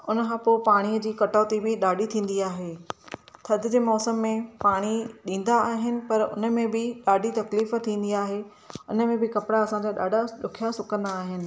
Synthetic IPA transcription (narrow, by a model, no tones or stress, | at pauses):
ʊnə̆kʰãːpoːpaːɽ̃iəd͡ʑiːkɐʈaːt̪ibɪɗaːɖʱit̪ʰĩːn̆d̪iaːɦeːt̪ʰɐd̪ʱɪ̆d͡ʑeːmɔːsəmːẽpaːɽ̃iɗĩːn̆d̪aːɦɪnɪ̆pɐɾʊ̰nə̆mẽbɪɗaːɖʱit̪ɐkliːf̆t̪ʰĩːn̆d̪iaːɦeː | ʊnə̆mẽbɪkɐpɪɽaɐsãd͡ʑaːɗa̰ːɖʱaɗʊkʰijasʊkə̃nd̪aːɦɪnɪ̆